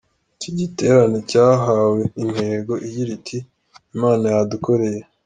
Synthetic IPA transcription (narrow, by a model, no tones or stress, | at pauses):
ciɟite̞ɾanecaːɦawe̞im̥he̞ːɡo̞ʔijiɾitʰiː | maːnajaduko̞ɾe̞je